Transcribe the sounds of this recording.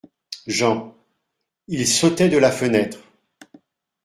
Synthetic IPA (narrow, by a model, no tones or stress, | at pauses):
ʒɑ̃ | ilsot̪ɛd̪əlafənɛt̪χ